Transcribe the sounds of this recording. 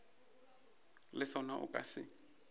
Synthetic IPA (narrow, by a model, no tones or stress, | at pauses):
lɪsɔnaʔʊ̰kʼa̰sɪ